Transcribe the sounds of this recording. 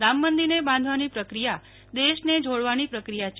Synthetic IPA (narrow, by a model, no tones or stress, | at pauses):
ɾamːənd̪inebãnd̪ʱʋanipɾəkɾija | d̪eʃned͡ʒʱoɽʋanipɾəkɾijat͡ʃ